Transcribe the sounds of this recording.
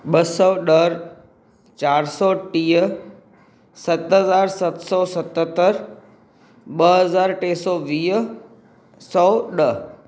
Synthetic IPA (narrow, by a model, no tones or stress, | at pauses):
ɓəsɔːɗəɾ | t͡ɕaːɾsɔːʈiːɦə | sɐt̪ɦəzaːɾsɐt̪sɔːsɐt̪ət̪ːəɾ | ɓəɦəzaːɾʈeːsɔːʋiːɦ | sɔːɗə